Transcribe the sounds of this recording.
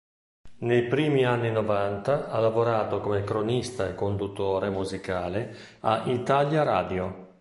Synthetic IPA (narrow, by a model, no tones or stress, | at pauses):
nejpɾiːmianːinovant̪aalavoɾaːt̪okomekɾonist̪aekːond̪ut̪ːoːɾemuzikaːle | aʔit̪aljaɾa̰ːd̪jo